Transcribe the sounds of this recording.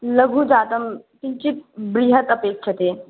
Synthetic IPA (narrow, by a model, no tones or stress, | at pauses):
ləɡʱũd͡ʒaːt̪əm | t̪it͡ʃit̪bɾiɦət̪ɐpeːkʃʰɐt̪eː